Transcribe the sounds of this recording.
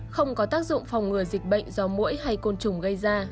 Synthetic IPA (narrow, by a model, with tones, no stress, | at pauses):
xə˧wŋ͡mkɔ˨˦t̪aː˦˥k̚zʊ̰˧˨ŋ͡mfa˨˩wŋ͡mŋɨ˨˧˩əzï˨˩k̟̚ɓə̰˧˨jŋ̟zɔ˧mṵ˧˥jha˧jko˧nt͡ɕʊ˨˧˩ŋ͡mɣə˧jzaː˧